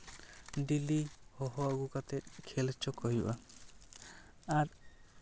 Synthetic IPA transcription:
ɖilihɔɦɔaɡukat̪et̚kʰelt͡ʃʰɔkɔɦiba | aɾ

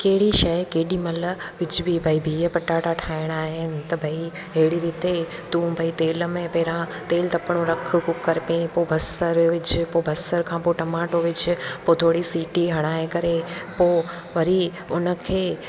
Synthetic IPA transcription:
keɦɪɽiʃɐkeɦɪɗimɐlʋɪt͡ʃbʱibʱəibʱiːəpɐʈaːʈaʈʰaːɪɽ̃aːɦɪnɪ̆t̪ɐbʱɐi | ɦeɦɪɽiɾiːt̪et̪ũːbʱɐit̪eːlmẽpeːɾãt̪eːlt̪ɐpɽ̃oɾɐkʰkʊkːɐɾpẽpobʱɐsəɾʋɪt͡ʃɪpobʱɐsəɾkʰãːpoʈɐmaːʈoʋɪt͡ʃ̆pot̪ʰoːɽisiːʈiɦɐɽ̃aːekɐɾepoː | ʋɐɾi | ʊnə̆kʰeː

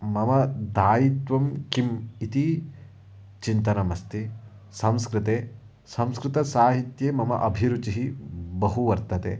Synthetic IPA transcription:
mɐmɐd̪ʱaːjit̪ʋɐmkimit̪i | t͡ʃint̪ɐnɐmɐst̪ʰi | sɐ̃mskɾɪt̪eː | sɐ̃mskɾɪt̪ɐsaːɦit̪jeːmɐmɐ̰ʔɐbʱiɾut͡ʃiɦibɐɦuʋɐɾt̪ɐt̪ḛː

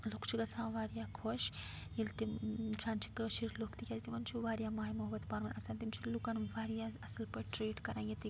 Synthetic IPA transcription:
lukt͡ʃʰuɡɐsʰãːʋaːɾjaːkʰoːʃ | jilt̪iʈɾãːnt͡ʃi̥kʃiɾloːkt̪ikʲaːt̪it̪iʋɐnt͡ʃʰuʋaːɾijaːmaːimɐɦɐbɐt̪paːɾmɐnɐsãnt̪imt͡ʃʰulukɐnʋaːɾjaɐsɐlpɐʈɾeːʈkɐɾãːet̪i

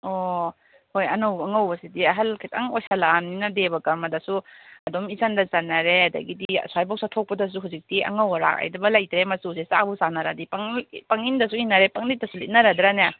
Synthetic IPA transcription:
ɔ | hojɐnowɐŋawbɐsidiɐɦɐlkʰita̰ŋojsalamninɐdebɐkɐɾmɐdɐsuɐdɔmizandɐzɐnːɐɾeɐdɐ̰ɡidḭswajbɔk̚satʰok̚pɐdɐs̬uɦawzik̚tiɐ̰ŋawaɾa̰ka̰jdɐbɐlajtɾemɐsusesa̰busanaɾadipaŋpɐŋindɐsuinɐɾepaŋlit̚dɐsulit̚naɾadɾanja

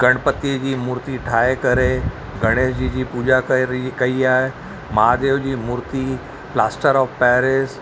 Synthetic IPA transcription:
ɡəɳpət̪ːed͡ʑiːmuɾt̪iːʈʰaekəɾe | ɡʱəɽ̃esd͡ʑid͡ʑiːpud͡ʑakikəiːaɦe | mad̪eʋd͡ʑiːmuɾt̪i | plasʈəɾɔfpɛɾes

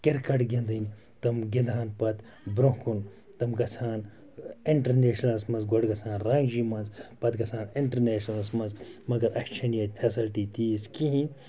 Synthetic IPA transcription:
keɾkɐʈɡʲend̪ɨnʲ | t̪ɐmɡĩnd̪ʱaːnpɐt̪ | bɾõkun | t̪ɐmɡɐt͡sʰaːn | iɳʈɐɾneːʃnɐlsmɐnzɡoɖɡɐt͡sʰaːnɾãːŋd͡ʒimɐnzpɐt̪ɡɐt͡sʰaːniɳʈɐɾneːʃnɐlsmɐnzmɐɡɐɾʔɐkt͡ʃʰɐnjɐt̪ʲpʰesilʈiːt̪iːskiɦinʲ

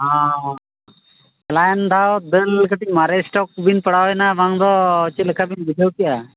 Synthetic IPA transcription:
ɦã | klajnd̪ʱad̪əlkəʈ̪ik̚maɾesʈɔk̚binpəɽ̤awɛnaʋaŋd̪ɔt͡ʃiləkʰabinbid̪ʱewkija

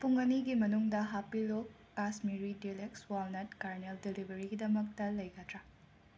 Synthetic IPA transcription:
puŋɐniɡimɐnuŋdɐɦapilokːasmiɾidilekswalnɐt̚kaɾneldelibʱɐɾiɡidɐmɐk̚tɐlɐjɡɐtɾa

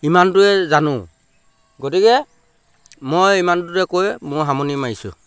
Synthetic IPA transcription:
imantʊɛzanʊ̃ | ɡotikɛ | mojimantʊtɛkojmʊɹɦamɔnimajsʊ̰

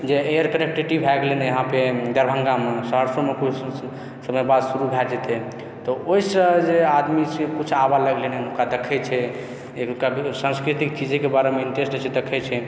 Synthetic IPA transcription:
d͡ʒeejəɾkəɾek̚ʈɾiʈibʱɛɡleneəɦãped̪əɾbʱə̃ŋɡamesəɦəɾsomekut͡ʃʰ | səbebad̪suɾubʱɛʈd͡ʒɛt̪ɛ | t̪ɔoisəd͡ʒead̪misekut͡ʃʰabaləɡlenɛnukad̪ekʰɛt͡ʃʰɛ | ekasãnskɾit̪ikt͡ʃid͡ʒkebaɾemeiɳʈesʈet͡ʃʰed̪ekʰɛt͡ʃʰɛ

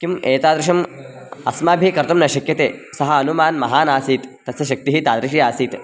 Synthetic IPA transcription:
kimeːt̪aːd̪ɾɪʃɐm | ɐ̰smaːbʱikɐɾt̪ɐmnɐʃɐkjɐt̪eːsɐɦɐɐnumaːnmɐɦaːnaːsiːt̪ːɐsɐʃɐk̚t̪iɦit̪aːd̪ɾiʃiːaːsiːt̪

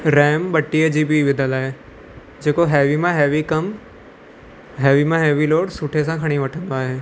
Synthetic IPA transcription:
ɾɛːmɓɐʈːijəd͡ʑiːbiʋɪd̪ʱəlaːɦe | d͡ʑeːkoɦɛːʋimãɦɛːʋikɐm | ɦɛːʋimãɦɛːʋiloːɽsʊʈʰesãkʰɐɽ̃iʋɐʈʰə̃nd̪oaːɦeː

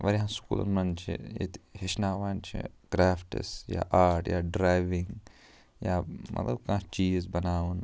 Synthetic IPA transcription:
ʋɐɾiɦãːskṵːlɐ̰nmɐnt͡ʃʰḭjḛt̪ɦiʃnaːʋaːnt͡ʃʰḭɡɾaːpʰʈḭsja̰ːʔaːɾʈjaːɖɾaːjʋɪ̃ŋɡ | jaːmʔɐ̰t̪lɐbkãːt͡ʃiːd͡ʒizbɐnaːun

